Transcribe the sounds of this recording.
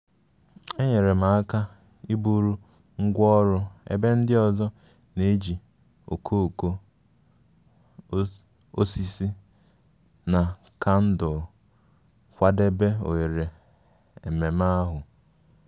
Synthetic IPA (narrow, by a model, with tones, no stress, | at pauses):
e˦ɲe˨ɾe˨ma˨a˦ka˦ | i˦bu˦ɾu˦ | ŋ̩˦ɡʷɔ˦ɾʊ˦ḛ˦be˦n̩˦dɪ˦ɔ˨zɔ˦ | ne˨˦d͡ʒi˨ | o̰˨kʰo˦o˨ko˦ | o˦si˦si˦ | na˨ka˦n̩˦dʊ˨ | kʷa˦de˦be˦o̰˨e˨ɾe˨ | e˨me˨ma˦ɦʊ˨